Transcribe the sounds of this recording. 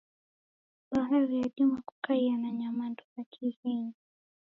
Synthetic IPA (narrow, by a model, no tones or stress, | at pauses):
ɓaɦaɾijaɗumaku̥kaianaɲamandɔzakʰihiɲi